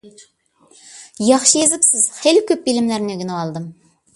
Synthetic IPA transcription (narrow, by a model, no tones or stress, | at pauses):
jɑχʃəjezɪpsɪz̥χelɪkʲʰøp̚bilɪmlæɾnøɡʲynəɑlˠd̪ɨm